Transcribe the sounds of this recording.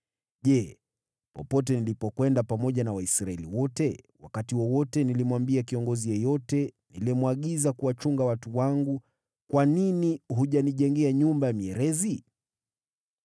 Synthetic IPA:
ʄɛ | pɔpɔt̬ɛnilipɔkwɛndapamɔʄanawaisɾaɛliwɔtɛwa̰katiwɔwɔtɛnilimwambiakiɔŋɡɔzijɛjɔtɛnilimwaɠizakuwat͡ʃuŋɡawatuwaŋɡu | kwaniniɦuʄaniʄɛŋɡɛaɲumbajamiɛɾɛzi

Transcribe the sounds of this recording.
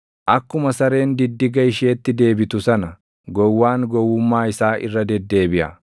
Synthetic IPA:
ʔɐkːʊmɐsɐɾe̞ːnd̪ɪd̪ːɪɡɐɪʃeːt̪ːɪd̪e̞ːbɪt̪ʊsɐnɐ | ɡɔwːaːŋɡɔwːʊmːaːɪsaːʔɪ̰rːɐd̪ɛd̪ːe̞ːbɪʔɐ̰

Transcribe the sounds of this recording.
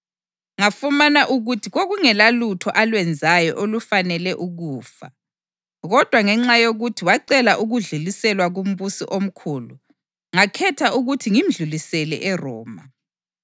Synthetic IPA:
ŋafumanaʔuɣutʰiɣoɣuŋɛlalutʰɔʔalwɛnd͡zʱajɔʔolufanɛlɛʔuɣuːfa̰ | ɣɔd̥ʱwaŋɛŋ͡ǁajoɣutʰiwaǀɛlaʔuɣuɮulisɛlwaɣum̩βusḭʔom̩kʰuːlu | ŋakʰɛtʰauɣutʰiŋim̩ɮulisɛlɛ̰ʔɛrɔ̰ːma

